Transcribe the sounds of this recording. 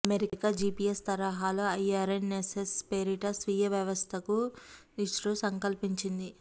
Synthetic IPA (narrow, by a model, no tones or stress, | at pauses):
ɐmeɾikaːd͡ʒiːpiːest̪ɐɾɐɦaːloɐjaːɾenesespeːɾiʈɐsʋiːjɐʋjɐʋɐst̪ʰɐku | iʂɾosɐŋkɐlpiɲt͡ʃind̪i